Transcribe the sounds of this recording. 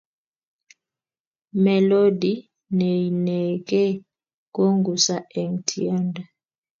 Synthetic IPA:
mɛ˨lo˦di˨ | ne˨i˨nɛ˨k̬ɛ˦ | k̬o˦ŋɡu˨sa˦˨ɛ˨ŋtʰi˦aː˦ndʱa˨

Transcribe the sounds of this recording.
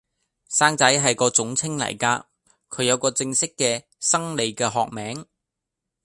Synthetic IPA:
saː˥ŋt͡sɐ˨˥jɦɐ˨jkɔː˧t͡sʊ˨˥ŋt͡sʰɪ˥ŋlɐ̰˨˩jkaː˧ | kʰɵ˨˧ɥjɐ˨˧wkɔː˧t͡sɪ˧ŋsɪ˥kːɛː˧ | sɐ˥ŋle˨˧jkɛː˧ɦɔː˨k̚mɛː˨˥ŋ

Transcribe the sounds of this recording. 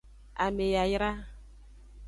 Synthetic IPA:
a˨me˨ja˨jɾa˦

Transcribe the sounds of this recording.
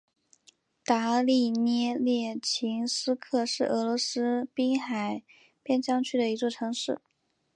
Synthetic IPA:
t̪a˧˥li˥˧njɛ˥˧ljɛ˥˩t͡ɕʰi˧˥ŋsɹ̩˥kʰɤ˥˧ʂɻ̩˥˩ʔɤ˧˥lwɔ˧˥sɹ̩˥pi˥ŋxa˨˩ɪ | pjɛ˥˧nt͡ɕjɑ˥ŋt͡ɕʰy˥d̪ə˩i˧˥t͡swɔ˥˩ʈ͡ʂʰɤ˧˥ŋʂɻ̩˥˩

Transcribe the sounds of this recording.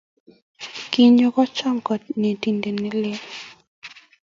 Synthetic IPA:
ki˦ɲo˦kɔ˦t͡ʃɔ˦ŋkɔ˨t̚ne˨ti˨nde˨ni˦le˦

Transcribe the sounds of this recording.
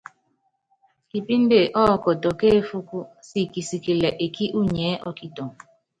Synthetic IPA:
ki˨pi˦n̩˦de˦˨ʔɔ˦˨kɔ˨tɔ˨ke˦fu˦ku˦si˦˨ki˨si˨ki˨lɛ˨ʔe˨kʰi˦ʔu˦ɲɛː˨˦ʔɔ˦ki˦to˨ŋ

